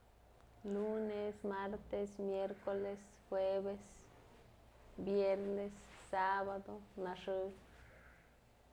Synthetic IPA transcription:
lunesmaɾt̪esmjeɾkoles | xwebes | bjeɾnesːabad̪onaʂɨ

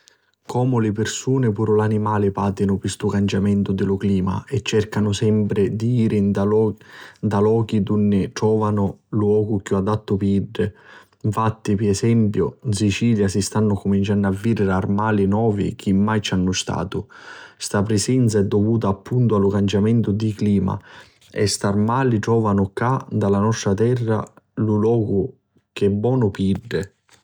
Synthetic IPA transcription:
kʰɔːmʊlɪpɪrsuːnɪpuːɾʊlanimaːlɪpaːd̪inʊpist̪ʊkant͡ʃamɛnt̪ʊd̪ɪlʊkliːma̰ɛt͡ʃːɛrkanʊsɛmpɾɪd̪iiːɾɪ | nd̪alɔːk̟id̪unːɪʈ̪ɾɔːvanʊlwɔːɡʊk̟juad̪at̪ːʊpiiɖːɪ | ɱfat̪ːipiɛsɛmpjʊnsit͡ʃiːljasist̪anːʊkumint͡ʃanːavːiːɾɪɾarmaːlinɔːvḭk̟ʰimːajt͡ʃanːʊst̪a̰ːt̪ʊst̪apɾɪsɛnt̪saɛd̪ːovuːt̪aːpʰːunt̪ʊalʊkant͡ʃamɛnt̪ʊd̪ikliːma̰ | ɛ̰st̪armaːlit̪ɾɔːvanʊkad̪alanɔst̪ɾat̪ɛrːa̰lulɔːɡʊ | k̟ɛbːɔːnʊpiɖːɪ

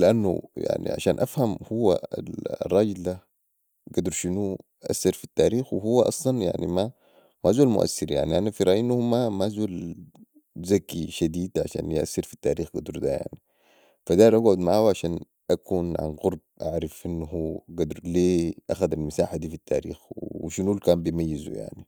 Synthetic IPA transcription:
lɪʔanːṵja̰ʕnḭʕa̰ʃaːnʔafhamhuwːa̰lrˤːɑːɡɪld̪a | ɡad̪ɾˤʃinu | ʔa̰sːɪɾfit̪ːaːɾiːxwɪɦuwːaʔɑsˤlɑnja̰ʕnima | maʔzuːlmʊ̰ʔa̰sːɪɾja̰ʕniʔanafiɾˤɑːʔjinːhumamazuːl | zakiʃad̪iːd̪ʕa̰ʃa̰ːnjʔa̰sːɪɾfit̪ːaːɾiːxɡad̪ɾd̪aja̰ʕni | fad̪aɾˤʔɑɡʕʊd̪maʕaːwʕaʃaːn | ʔakʰuːnʕa̰nɣʊɾˤb̚ʔaʕɾˤɑfʔinːhuːɡad̪ɾleːʔaxad̪almasaːħad̪iːfit̪ːa̰ːɾḭːxwʃinulkaːmbjmajːizṵja̰ʕni

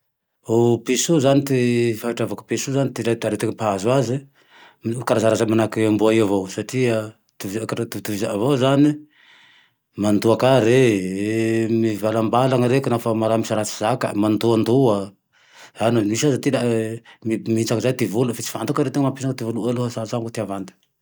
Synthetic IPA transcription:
opisuzanit̪efaiʈ͡ʂavaku̥pesuzanit̪iɾat̪aɾet̪eŋəpaazwazi | kaɾazaɾazamanakiambuaiavowsaʈ͡ʂia | t̪ivkaat̪it̪ivizaavozani | mand̪uakaɾe | mivalambalaŋaɾekinafamaɾamisaɾat͡si̥zaka̰mand̪uand̪ua | zanmisasat̪ilamimiit͡sakzajt̪ivulufit͡si̥fant̪ukaɾewt̪eŋəmampisakt̪evulualuɦasasaŋkut̪iavand̪i̥

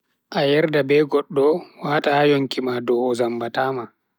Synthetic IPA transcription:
ʔajɛɾdabɛɡɔɗːɔwaːtajoŋkimadɔːzambataːma

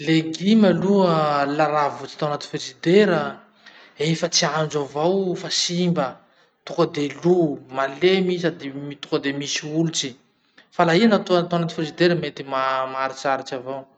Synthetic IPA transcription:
leɡimaluəlaɾavut͡si̥t̪awanat̪i̥fesid̪eɾə | efət͡siand͡ʒavowfasimbə | t̪ukəd̪elumalemisad̪imit̪ukəd̪emisiulut͡si | falaɦianat̪at̪awanat̪i̥fezid̪eɾəmet̪imamaɾit͡saɾit͡ʃavow

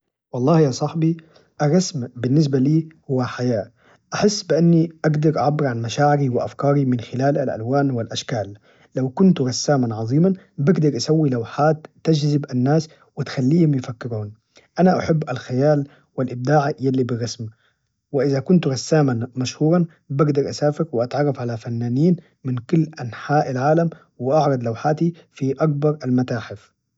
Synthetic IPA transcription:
wɑlˤːɑːhjaːsˤɑħbi | ʔɑrˤːɑsmbɪnːɪs̬baliːhʊwːaħajaːʔ | ʔaħɪsːbɪʔanːiʔaɡd̪ɑɾʔaʕabːɪɾʕanmaʃaːʕɪɾiwɪʔa̰fkɑːɾimɪnxɪlaːlalʔa̰lwaːnwɪlʔaʃkaːlː | awkʊnt̪ɣɑsːaːmanʕɑðˤiːman | bɪɡd̪ɑɾˤʔasawːilawħaːt̪ːad͡ʒzɪbʔanːaːs | wɪt̪xalːiːhʊmjɪfakːɪɾuːn | ʔanaʔaħabːalxajaːl | wɪlʔɪb̚d̪aːʕjalːibɪrːɑsm | wɪʔɪzakʊnt̪ɣɑsːaːmanmaʃhuːɾˤɑn | bɪɡd̪ɑɾˤʔasaːfɪɾwɪʔat̪ʕɑrˤːɑfʕalafanːaːniːn | mɪnkʊlːʔanħaːʔalʕaːlam | wɪʔɑʕɾˤɑd̪lawħaːt̪ifiʔak̚bɑɾˤalmat̪aːħɪf

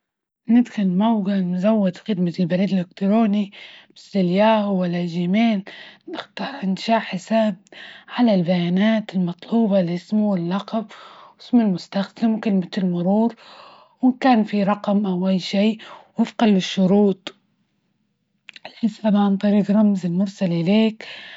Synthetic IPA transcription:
nɪd̪xʊlmawɡamʊzawːad̪xɪd̪malbaɾiːd̪ɪlhʊkt̪ɾoːnibɪsːɪljaːʔwwːalːaʒɪmeːlnɪxt̪ɑɾˤɪnʃaːʕħɪsaːb̚ʕalalbajaːnaːt̪ɪlmɑt̪ˤluːbɑlɪsmuwɪlːɑqɑbɪsmɪlmʊst̪axd̪ɪmkɪlmaɪlmʊɾuːɾ | wɪkaːnfiɾˤɑqmʔawʔajːʃiː | ɪfqɑlːɪʃːʊɾuːt̪ˤ | ʔɪlħɪsaːbʕant̪ˤɑɾiːɡɾˤɑmzɪlmʊɾˤsalʔɪleːk

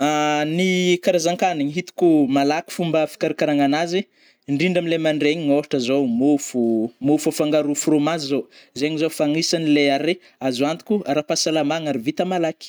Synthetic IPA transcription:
anikaɾazaŋkaniɲiɦit̪u̥kumalaki̥fumbəfi̥kaɾikaɾaŋanazi | ɳɖ͡ʐiɳɖ͡ʐamilemaɳɖ͡ʐeɲiŋoɦaʈ͡ʂəzowmufumufafaŋɡaɾufuromazizowzeɲizofaŋisanileaɾe | azuant̪i̥kʲuaɾapasalamaŋaɾivit̪amalaki̥

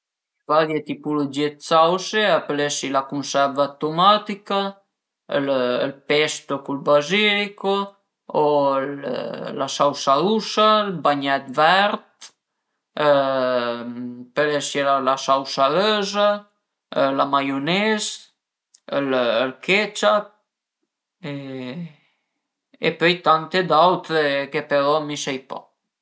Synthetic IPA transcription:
vaɾjet̪ipulod͡ʒiet̪sawseapəlesilakunsɛɾvat̪omat̪ika | ləlpɛst̪okulbaziliko | ollasawsausalbaɲɛt̪vɛɾt̪ | pəleselalasawsaløza | lamajunes | əllkʰet͡ʃat̪̚ | e | ḛpœjt̪ant̪ed̪awt̪ɾekepeɾɔmisajpɔ̰

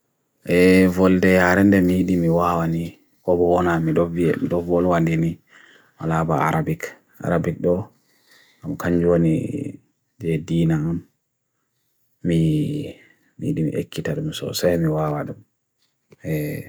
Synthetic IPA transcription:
ʔɛvɔldɛjaɾɛndɛmijiɗimiwawani | kɔbɔwɔnamiɗɔviɛ̰miɗɔvɔlwandini | wa̰labaa̰ɾabik | ʔa̰ɾabik̚ɗɔ | amkaɲd͡ʒonḭ | d͡ʒɛdinaam | i | miiɗimḭʔḛkʰːitaɗumsɔ̰sajmiwawaɗum | ɛ

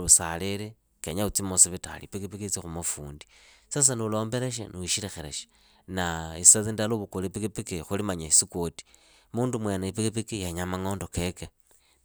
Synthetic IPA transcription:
usaleɾe | keɲaut͡simosiβita̰lḭpikipikit͡sixumafṵːndisas̬aniulo̞ːmbeɾeʃ̬ḛnuiʃiɾexeɾḛʃe̥ | naisaðindaloβukolipikipikixulimaɲaisikoti̥ | muːndumwenaipikipikijaɲamaŋo̞ːndokeke

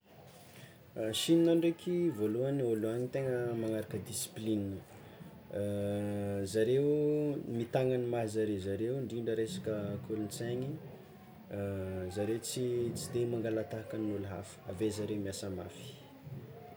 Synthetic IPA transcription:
ʃininaɳɖ͡ʐekʰivoluanioluaɲit̪eŋəmaŋaɾakəd̪isi̥plini | zaɾewmit̪aŋanimaɦizaɾezaɾewɳɖ͡ʐiɳɖ͡ʐəɾesḁkəkʰulunt͡saɲi | zaɾet͡sit͡sid̪emaŋɡalat̪aɦakanuluɦa̰fə̥avezaɾewmiasəmafi̥

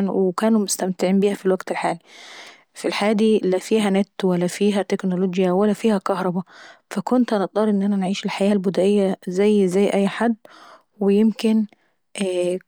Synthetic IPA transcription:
nwekæːnumost̪æmt̪ɪʕiːmbiːhæfilwæɡt̪elħaːli | filħaːæːd̪iːlæfiːɦænæt̪ːwælːæfiːɦæt̪eknoloɡjæwælːæfiːhækɑhɾˤɑbæfækont̪ʔænet̪̚ˤd̪ˤɑɾˤʔenːʔænænʕiːʃelħajæːlbʊd̪æʔejːæzæjːzæjːʔæjːħad̪ː | wejemken | ʔ

